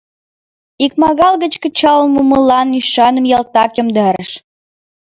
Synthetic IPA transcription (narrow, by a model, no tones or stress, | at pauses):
ikmɑɣɑlˠɣə̆t͡ɕkə̆t͡ɕɑlmuməlɑnyʃɑnə̆mjɑlt̪ɑkjə̆md̪ɑɾə̰ʃ